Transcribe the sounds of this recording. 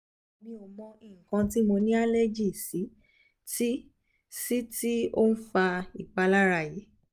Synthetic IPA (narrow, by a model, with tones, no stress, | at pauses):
o˨mĩ˧o˧˨mɔ̃˧ĩ˨ŋ̩˨kã˧ti˦mo˧nĩ˦a˦le˦d͡ʒi˦˨si˨˦ | ti˦ | si˦ti˦o˦n̩˦fa˧i˨k͡pa˧la˦ɾa˦˨ji˨˦